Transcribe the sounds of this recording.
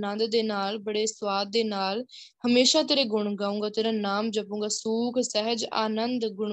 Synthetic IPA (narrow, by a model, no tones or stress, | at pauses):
nənd̪d̪eːnaːlbəɽeːswaːd̪̚ːeːnaːl | həmeːʃãːt̪eːɾeːɡʊɳ̃ɡaːũːŋɡaːt̪eːɾãːnaːmd͡ʒəpũːɡaːsuːkʰsɛɦəd͡ʒa̰ːnənd̪ɡʊɳ